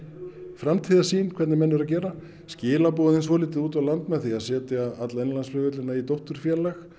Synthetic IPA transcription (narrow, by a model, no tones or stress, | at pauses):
fɾamt̪ʰiːðasiːnkʰvɛɾt̪nɪmɛnːʏɾaðcɛːɾa | scɪːlapowðɪns̬vɔːlɪːt̪ɪðuːt̪awlant̪mɛðθiaðsɛːt̪jaat̪laejnlansfœːɣʏt̪lɪnːait̪owht̪ʏɾ̥fjɛːlɛx